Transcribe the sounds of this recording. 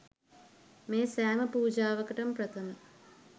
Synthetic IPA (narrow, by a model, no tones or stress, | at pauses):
meːsaːmɐpuːd͡ʑaːʋɐkɐʈɐmpɾɐt̪ʰɐmɐ